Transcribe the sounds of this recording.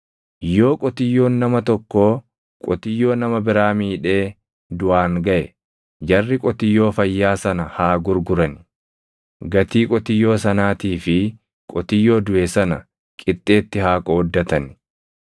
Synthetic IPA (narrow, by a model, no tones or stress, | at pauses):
jo̞ːkʼɔt̪ɪjːo̞ːnːɐmɐt̪ɔkːoː | kʼɔt̪ɪjːo̞ːnɐmɐbɪɾaːmiːᶑe̞ː | d̪ʊʔaːŋɡɐʔɛ | d͡ʒɐrːɪkʼɔt̪ɪjːo̞ːfɐjːaːsɐnɐhaːɡʊɾɡʊɾɐn | ɡɐt̪iːkʼɔt̪ɪjːo̞ːsɐnaːt̪iːfɪ | kʼɔt̪ɪjːo̞ːd̪ʊʔɛsɐnɐ | kʼɪt̪ʼːe̞ːt̪ːɪɦaːkʼɔɔd̪ːɐt̪ɐn